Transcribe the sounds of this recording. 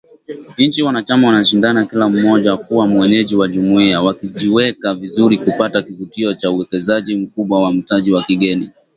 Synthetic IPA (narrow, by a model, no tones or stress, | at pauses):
n̩t͡ʃiwanat͡ʃamawanaʃ̬indanakilam̩mɔʄakuwamwɛɲɛʄiwaʄumuiawakiʄiwɛkavizuɾikupatakivutiɔt͡ʃauɛkɛzaʄim̩kuɓwawam̩taʄiwakiɠɛni